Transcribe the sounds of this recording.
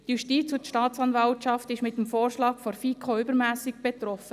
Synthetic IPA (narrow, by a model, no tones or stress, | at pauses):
tjuʃtiːt͡sʊt̪ʃtɑːt͡sɑnvɑltɑftɪʃmɪtːəmfoːɾʃlɑːkfɔɾfikʰoʏbəɾmæːsɪɡb̥ɛt̪ɾɔfə